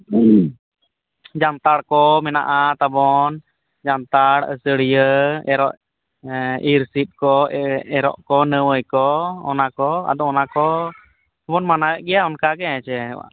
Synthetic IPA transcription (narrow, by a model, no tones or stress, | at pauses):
d͡ʒant̪aɽkɔmɛna̰ʔat̪abɔn | d͡ʒant̪aɽəsəɽijəɛɾɔ̰ʔ | iɾsit̪̚kɔɛɾɔ̰ʔkɔnəwəjkɔɔ̰nakɔa̰d̪ɔɔnakɔ | t̪abɔnmanawɛʔɡɛjaɔnkakɛɛt͡ʃɛɛwa̰